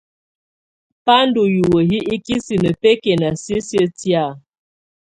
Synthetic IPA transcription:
pa˦n˦du˨ju˨wə˨ɦi˦ʔi˦ki˦si˨nə˨pe˦ke˨na˨sji˦sjə˦tja˦˨

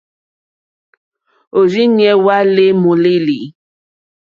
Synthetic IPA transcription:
o˨ɾi˦ɲɛ˨˦wa˦le˦mo˨le˦li˨˦

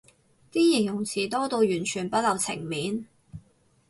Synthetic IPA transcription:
t̪iː˥ji˨˩njʊ˨˩ŋt͡sʰiː˨˩t̪ɔː˥t̪o˧wjyː˨˩nt͡ʃʰyː˨˩npɐ˥t̚lɐ˨˧wt͡sʰɪ̰˨˩ŋmiː˨˥n

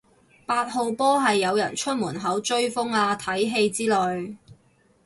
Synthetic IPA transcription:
paː˧t̚ho˨wpɔː˥ɦɐ˨jːɐ˨˧wjɐ̰˨˩nt͡ʃʰɵ˥t̚muː˨˩nɦɐ˨˥wt͡ʃɵ˥ɥfʊ˥ŋaː˧t̪ʰɐ˨˥jɦe˧jt͡siː˥lɔ˨˩j

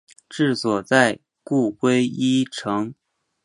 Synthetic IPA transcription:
ʈ͡ʂɻ̩˥˩swɔ˨˩t͡sa˥˧ɪ | ku˥˩kwe˥ɪi˥ʈ͡ʂʰɤ˧˥ŋ

